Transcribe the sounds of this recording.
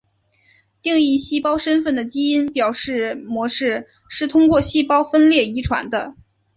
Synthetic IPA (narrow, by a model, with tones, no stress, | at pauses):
t̪i˥˧ŋi˥˧ɕi˥˩pɑ˥ʊʂə˥nfə˥˩nd̪ə˩t͡ɕi˥i˥npjɑ˨˩ʊʂɻ̩˥˩mwɔ˧˥ʂɻ̩˥˧ | ʂɻ̩˥˩t̪ʰʊ˥ŋkwɔ˥˧ɕi˥˩pɑ˥ʊfə˥nljɛ˥˩i˧˥ʈ͡ʂʰwa̰˧˥nd̪ə˧